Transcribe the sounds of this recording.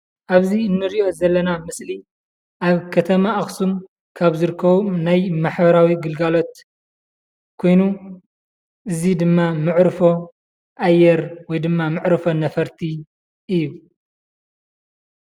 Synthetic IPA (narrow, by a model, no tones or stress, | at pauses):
ʔaβziɨnːɨɾiʔo̞zɐlːɐnamɨsli | ʔaβkʰɐt̪ʰɐmaʔːxsum | kʰaβzɨɾkʰːɐβunajmaħbɐɾawiɡɨlɡalo̞t̪̚ | kʰo̞jnu | ʔɨzid̪ɨmːamɨʕɾɨfo | ʔajːɛɾwɔjd̪ɨmːamɨʕɾɨfo̞nɐfɐɾt̪ʰi | ʔɨjːu